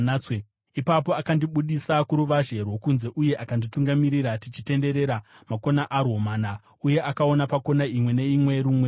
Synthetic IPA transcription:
aːt͡swe | ipapo̞akandiɓuɗisakuɾuʋaʒe̞rwo̞kunze̞ʔuje̞ʔakandituŋɡamiɾiɾatit͡ʃite̞nde̞ɾe̞ɾamako̞naʔaro̞maːna | uje̞ʔakao̞napako̞naimwe̞ne̞imwe̞ɾuːmwe

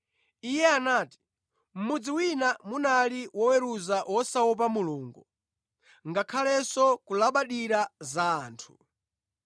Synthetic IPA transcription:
ijɛanaːti̥ | m̩mud͡ziwinamunaliwɔwɛɾuzaʔwɔsawɔp̬amuluːŋɡu | ŋɡakʰalɛsɔkulaɓaɗiɾazaːntʰu̥

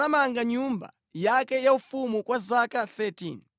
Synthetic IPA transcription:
amaŋɡaɲumba̰ | jakɛjaufumukwazakaθɛtḭn

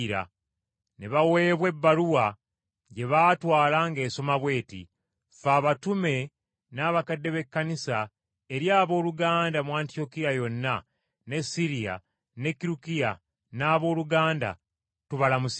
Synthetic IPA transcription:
ɾa̰ | neβawe̞ːβwe̞bːaɾuwa | ɟe̞βaːtwaːlaŋɡe̞ːso̞maβwe̞ːtḭ | faːβatume̞ | naːβakadːe̞βe̞kːanisa | eɾjaːβo̞ːluɡaːndamuaːntio̞kijajo̞nːa | ne̞siɾija̰ | ne̞kːiɾukija | naːβo̞ːluɡaːnda̰ | tuβalamus

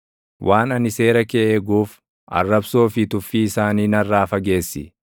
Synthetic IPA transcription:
wʔaːnɐnɪse̞ːɾɐkeːʔeɡuːf | ʔɐ̰rːɐbsoːfɪt̪ʊfːiːɪsaːniːnɐrːaːfɐɡe̞ːsːɪ̰

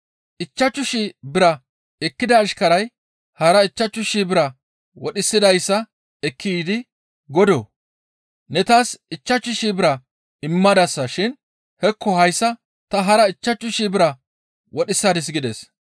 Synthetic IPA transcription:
ʔɪt͡ʃːɐt͡ʃːʊʃibɪɾɐ | ɛkːɪd̪ɐːʃkɐɾɐj | hɐɾɐɪt͡ʃːɐt͡ʃːʊʃibɪɾɐ | wɔɗɪsːɪd̪ɐjsːɐ | ɛkʰːiːd̪ɪ | ɡɔd̪o̰ː | nɛt̪asɪt͡ʃːɐt͡ʃːʊʃiːbɪɾɐ | ɪmːɐd̪ɐsːɐʃɪn | hɛkːɔɦɐjsːɐ | t̪ɐɦɐɾɐɪt͡ʃːɐt͡ʃːʊʃibɪɾɐ | wɔɗɪsːaːd̪ɪs̬ɡɪd̪ɛ̰s

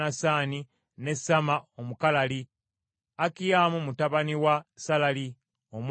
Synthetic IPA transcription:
asaːni | ne̞samaomukalali | akijaːmumutaβaniwasalali | om

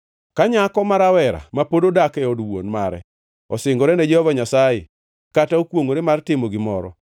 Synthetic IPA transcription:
kaɲakɔmaɾawɛɾa̰mapododakɛɔdwo̰nmaɾɛ̰ | ɔ̰sɪŋɡɔɾɛnɛd͡ʒɔhɔvaɲasaje | kataokwoŋoɾemartɪmoɡɪmɔɾɔ̰

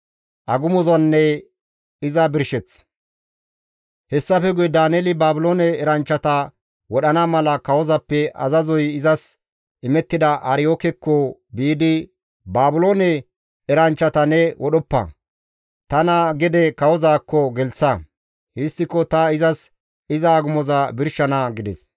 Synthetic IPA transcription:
ʔɐɡʊmɔzɐnːɛ | ɪzɐbɪɾʃɛt͡s | hɛsːɐfɛɡʊjɛd̪aːnɛlɪbaːbʊloːnɛːɾɐnt͡ʃːɐt̪ɐ | wɔɗɐnamɐlɐkɐwɔzɐpːɛʔɐ̰zɐzɔjɪzɐs | ʔɪmɛt̪ːɪd̪ɐʔɐɾɪjoːkɛkːɔbiːd̪ɪ | baːbʊloːnɛ | ɛɾɐnt͡ʃːɐt̪ɐnɛwʔɔɗɔpːɐ̰ | t̪ɐnɐɡɛd̪ɛkɐwɔzaːkːɔɡɛlsɐ | ɪst̪ːɪkːɔt̪ɐɪzɐs | ɪzaːɡʊmɔzɐbɪɾʃɐnɐɡɪd̪ɛ̰s

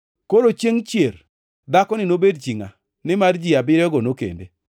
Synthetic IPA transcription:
koɾot͡ʃjeŋt͡ʃjer | d̪akɔnɪnobed̚t͡ʃiŋa̰ | nɪmard͡ʒiabɪɾɛɡɔnokḛnde

